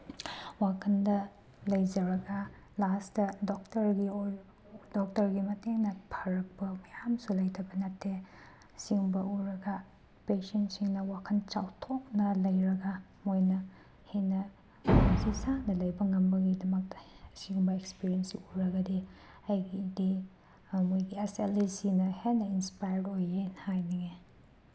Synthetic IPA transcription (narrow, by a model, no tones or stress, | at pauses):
wakʰɐndɐ | lɐjd͡ʒɐɾɐɡɐ | lastɐdok̚tɐɾɡi | dɔk̚tɐɾɡimɐteŋnɐpʰɐɾɐk̚pɐmɐjamsulɐjtʰɐbɐnɐtʰːe | siŋbɐuɾɐɡɐ | pesentsiŋnɐwakʰɐnt͡ʃawtʰok̚nɐlɐjɾɐɡa | mojnɐ | henɐ | zisanɐlɐjbɐŋɐmbɐɡidɐmɐk̚sibɐekspiɾiensiuɾɐɡɐdi | ɐjɡidi | mojɡiɐselisinɐhenɐinspajɐɾdojenhajnɐɡe